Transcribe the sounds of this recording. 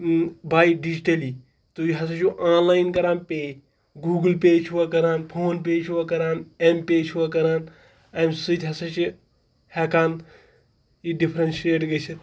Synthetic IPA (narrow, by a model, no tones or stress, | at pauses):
baːjɖid͡ʒiʈɐli | t̪uiɦɐs̬ɐt͡ʃuʔaːnlaːjnkɐɾaːnpeːj | ɡuːɡɨlpeːd͡ʒʰuʋɐkɐɾaːnpʰoːnp̬eːd͡ʒʰuʋɐkɐɾaːnempeːt͡ʃʰuʋɐkɐɾaːn | ɐmsit̪ʰʲɦɐsɐt͡ʃi | hekaːn | iɖipʰɾɐnʃeːʈɡɐt͡ʃʰi